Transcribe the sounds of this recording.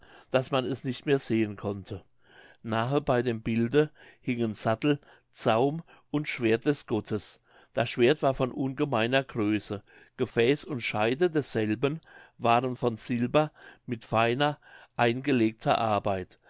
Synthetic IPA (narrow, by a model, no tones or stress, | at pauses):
d̥asmanɛsnɪçtmeːɐz̥eːənkʰɔntʰə | naːɦəbaɪdeːmbɪldəhɪŋənz̥atl̩ | t͡saʊm | ʊntʃv̥eːɐt̚d̥ɛsɡ̥ɔtʰəs | d̥asʃv̥eːɐtv̥aːɐfɔnʔʊnɡəmaɪnɐɡʁøːsə | ɡ̥əfɛːsʊntʃaɪdədɛsz̥ɛlbənvaːʁənfɔnz̥ɪlbɐmɪtfaɪnɐʔaɪnɡəleːk̚tʰɐ̰ʔaɐbaɪt